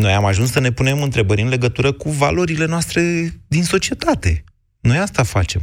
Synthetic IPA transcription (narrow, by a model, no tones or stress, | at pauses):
no̞jamaʒunsːəne̞pune̞mɨnt̪ɾe̞bəɾʲɨnle̞ɡət̪uɾəkuva̰lo̞ɾile̞noast̪ɾe̞d̪inso̞t͡ʃie̞t̪at̪e̞ | no̞jast̪afa̰t͡ʃe̞m